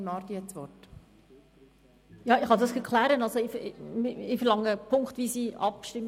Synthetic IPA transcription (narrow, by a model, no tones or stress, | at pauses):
nɑːɾd̪iɛt͡sʋɔt | jɑːɪχɑdɑsɛɾkʰlæːɾənɑlsoɪfmɪɪfɛɾlɑŋːəpʰʊŋkχt̪vʋisiʔɑpʃtɪm